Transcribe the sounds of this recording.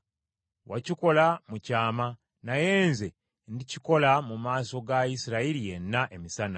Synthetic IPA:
waciko̞lamucaːma | naje̞ːnze̞ | ndici̥ko̞lamumaːso̞ɡaisiɾailije̞nːaʔe̞misana

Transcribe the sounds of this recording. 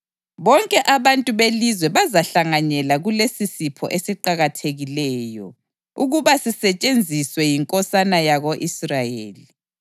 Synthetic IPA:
βɔŋkʼɛʔaβantʼuβelizwɛβazaɬaŋaɲɛlaɣulesisipʰɔ̰ʔesiǃaɣatʰeɣilɛːjɔ̰ | uɣuβasisɛt͡ʃʼend͡zʱiswɛjiŋkʼɔsanajaɣoʔisrajḛːli

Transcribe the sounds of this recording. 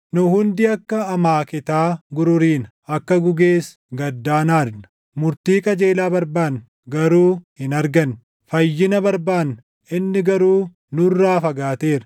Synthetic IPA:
nʊhʊnd̪ɪɐkːɐːmaːkɪt̪aːɡʊɾʊɾiːn | ɐkːɐɡʊɡeːs | ɡɐd̪ːaːnaːɾnɐ̥ | mʊɾt̪iːkʼɐd͡ʒe̞ːlaːbɐɾbaːn | ɡɐɾuːhɪnɐɾɡɐn | fɐjːɪnɐbɐɾbaːn | ɪnːɪɡɐɾuː | nʊrːaːfɐɡaːt̪e̞ːɾɐ

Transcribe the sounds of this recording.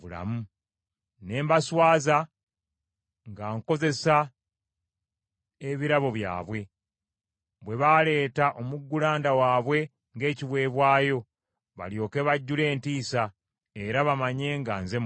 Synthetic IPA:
ula̰mu | ne̞ːmbaswaːza | ŋɡaːŋko̞ze̞sa | eβiɾaβo̞βja̰ːβwe̞ | βwe̞βale̞ːtaʔo̞muɡːulaːndawaːβwe̞ | ŋɡe̞ːciβwe̞ːβwaːjo̞ | βa̰ljo̞ːke̞βaɟːule̞ːntiːsa | e̞ɾaβamaɲe̞ːŋɡaːnze̞m

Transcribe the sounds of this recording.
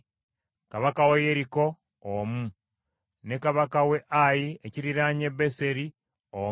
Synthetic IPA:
kaβakawejeɾiko̞ː | mu | ne̞kaβakawe̞ʔajieciɾiɾaɲe̞βese̞ɾi | o

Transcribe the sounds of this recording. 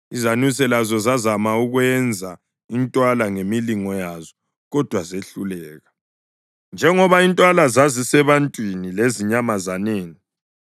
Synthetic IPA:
izanwisɛlazɔzazamauɣwɛnd͡zʱa | intʼwalaŋemiliŋɔjazɔ | ɣɔd̥ʱwazeɬulɛːɣa | nd͡ʒʱɛŋɔβaintʼwalazazisɛβantʼwinileziɲamazaneːni

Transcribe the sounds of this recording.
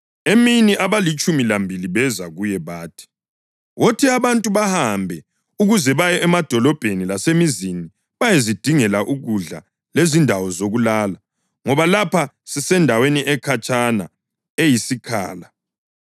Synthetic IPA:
eminiʔaβalit͡ʃʼumilambʱiliβɛzaɣujɛβaːtʰi̥ | wotʰiaβantʼuβahambʱɛ | uɣuzɛβajɛʔɛmad̥ʱɔlɔb̥ʱenilasemizini | βajezid̥ʱiŋɛlaʔuɣuɮa̰ | lezindʱawɔzoɣulaːla | ŋɔβalapʰa | sisɛndʱaweniʔɛkʰat͡ʃʼana̰ | ejisikʰa̰ːla

